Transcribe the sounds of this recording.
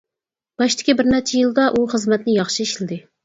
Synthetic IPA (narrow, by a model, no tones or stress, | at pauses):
b̥ɑʃt̪ʰɪ̥kʲibɪɾnæt͡ʃʰɛjilˠd̪ɑʔuχəzmɛt̪nɪjɑχʃiiʃlɪd̪ɪ